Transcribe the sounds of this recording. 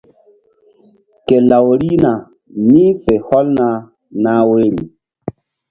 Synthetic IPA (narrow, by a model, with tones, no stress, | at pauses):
ke˨la˨wɾi˦na˨ | ni˦fe˨hɔ˦lna˨ | na˦we˦ɾi˨